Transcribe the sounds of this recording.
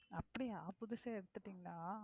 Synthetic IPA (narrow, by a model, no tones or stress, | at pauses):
ɐpːɐɽiaːpʊðɪsɐɛɽɯt̪ːɯʈːiːŋɡɐɭaː